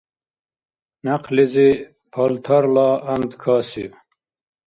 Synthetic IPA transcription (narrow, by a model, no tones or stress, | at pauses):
naqlizi | pʰɐlt̪ʰɐɾlaːɐnd̪kʰaːsḭ